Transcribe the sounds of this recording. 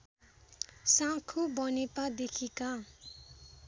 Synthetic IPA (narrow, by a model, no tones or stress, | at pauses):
sãkʰubʌnepad̪ekʰika